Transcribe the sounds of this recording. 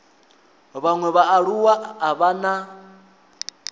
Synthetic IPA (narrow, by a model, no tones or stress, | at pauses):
βaŋwɛβaːɺuwaaβana